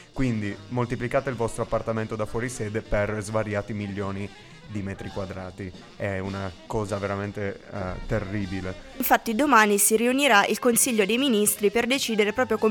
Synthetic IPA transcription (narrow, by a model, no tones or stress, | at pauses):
kwind̪imolt̪iplikaːt̪eilvɔst̪ɾoapːart̪ament̪od̪afwɔɾisɛːd̪eperzvaɾjaːt̪imilːɔːni | d̪imɛːt̪ɾikwad̪ɾa̰ːt̪i | ɛunakɔːzaveɾament̪et̪erːiːbileiɱfat̪ːid̪omaːnisiɾiuniɾaʔilkonsiʎːod̪ejminist̪ɾiperd̪et͡ʃiːd̪eɾepɾɔːpɾjoko